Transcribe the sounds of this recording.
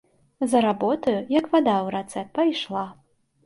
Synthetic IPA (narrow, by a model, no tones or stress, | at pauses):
zɐɾabɔt̪ɐjujɐkvad̪awɾɛt̪sɛt̪̚pɐjʂlˠa